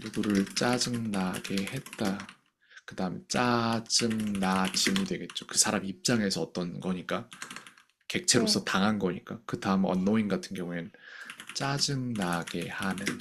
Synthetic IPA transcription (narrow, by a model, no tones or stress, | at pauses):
nuɡuɾɯɭt͡ɕ͈ad͡ʑɯmnaɡe̞he̞t̚t͈a | kɯdaɦɯmet͡ɕ͈ad͡ʑɯmnad͡ʑimidwe̞ɡe̞t̚t͡ɕ͈okɯsʰaɾamiip̚t͡ɕ͈aŋe̞sʰʌːt͈ʌnɡʌɲik͈a | ke̞k̚t͡ɕʰe̞ɾosʰʌtaŋɦanɡʌɲik͈akɯdaɯmʌ̰nːoinɡatʰɯnɡjʌŋuent͡ɕ͈ad͡ʑɯmnaɡ̥e̞hanɯn